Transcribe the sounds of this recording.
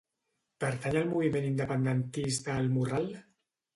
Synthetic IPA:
pəɾt̪aɲalmuβimenind̪əpənd̪ent̪ist̪aːlmural

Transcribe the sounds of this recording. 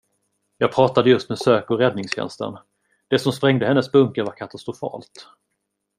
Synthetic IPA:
jɑːɡ̚pʰɾɑːt̪ad̪əjɵst̪mɛsøːkɔɾɛd̪nɪŋsɕɛ̰nst̪ə̰n | d̪̥ɛsɔmspɾɛŋd̪əhɛnːəsbɵŋkəɾvaɾkʰat̪ast̪ɾʊfɑ̰ːlt̪

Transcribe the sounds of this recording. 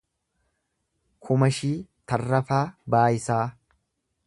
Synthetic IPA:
kʰʊmɐʃiːt̪ɐrːɐfaːbaːjɪsaː

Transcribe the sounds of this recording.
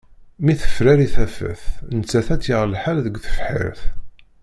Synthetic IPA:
miθə̥fɾæɾiθæfə̰θnət͡sːæθæt͡sːjəʁlħalðəɡʷθə̥fħḭɾθ

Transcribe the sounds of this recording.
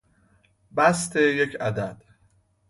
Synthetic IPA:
bæst̪ʰejecʰæd̪æd̪̥

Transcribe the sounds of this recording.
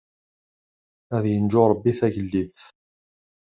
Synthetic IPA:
æðjənd͡ʒʊɾˤəbːiθæʝəlːiθ

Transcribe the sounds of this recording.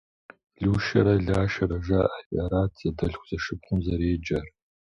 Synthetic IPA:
ɮuːʃɐ̰ɾɐɮaːʃɐɾɐʐɐʔafʲɐɾaːtʰjadɐɬxʷz̥ɐʂɨp̚χʷʊmzɐɾeːd͡ʒɐr

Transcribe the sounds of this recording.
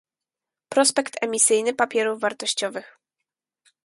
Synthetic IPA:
pɾɔspɛkt̪ʰɛmʲisɘjnɘpapʲjɛɾuvvaɾt̪ɔɕt͡ɕɔvɘx

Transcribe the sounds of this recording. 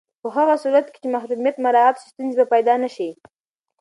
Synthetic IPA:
pəɦaɣasuɾat̪ke̥t͡ʃemaxd̪umjat̪maɾɑat̪ʃi̥st̪unzebapajd̪ɑnaʃi

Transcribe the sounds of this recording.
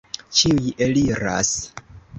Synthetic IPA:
t͡ʃiujeliɾa̰s

